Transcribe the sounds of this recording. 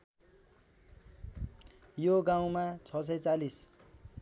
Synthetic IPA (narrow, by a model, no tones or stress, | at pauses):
joɡaw̃mat͡sʰʌs̬ʌjt͡salis